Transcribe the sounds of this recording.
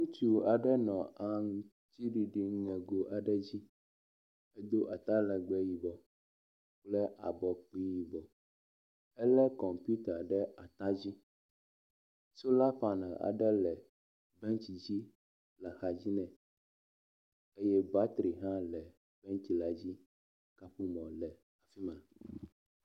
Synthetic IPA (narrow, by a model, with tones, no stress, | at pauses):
ŋũ˦t͡ʃu˨a˨ɖɛ˦nɔ̃˨a˨ŋũ˦ | t͡ɕi˦ɖi˨ɖi˨ŋɛ̃˨ɡo˨ʔa˨ɖɛ˦d͡ʑi˦ | ɛ˦d̪o˦ʔa˨t̪a˦lɛ˨ɡ͡bɛ˦ji˨bɔ˨ | k͡plɛ˦ʔa˨bɔ˨k͡pi˦ji˨bɔ˨ | ɛ˦lɛ˦kɔ˨mpju˦t̪a˨ɖɛ˦ʔa˨t̪a˦d͡ʑi˦ | so˦la˦ɸa˨nã̰˨ʔa̰˨ɖɛ˦lɛ˨ | bɛ˦nti˨d͡ʑi˦ | la˨xa˨d͡ʑi˦nɛ̃˨ | e˦jɛ˦ba˦t̪ɾi˨ɦã˦lɛ˨ | b̥ɛ˦ŋt̪i˨la˨d͡ʑi˦ | ka˦ɸu˦mɔ̃˨lɛ˨ | a˨fi˦mã˨